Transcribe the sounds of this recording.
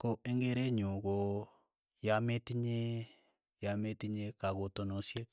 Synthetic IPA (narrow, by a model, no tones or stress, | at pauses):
koeŋɡeɾeɲoɣo | jametiɲe | jametiɲekaɣotonosje